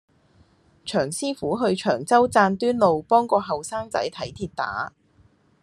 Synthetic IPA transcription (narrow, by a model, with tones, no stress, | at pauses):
t͡ʃʰœː˨˩ŋsiː˥fuː˨˥ɦɵ˧ɥt͡ʃʰœː˨˩ŋt͡sɐ˥wt͡saː˧nt̪yː˥nlo˨wpɔː˥ŋkɔː˧ɦɐ˨wsaː˥ŋt͡sɐ̰˨˥jt̪ʰɐ˨˥jt̪ʰiː˧t̚t̪a̰ː˨˥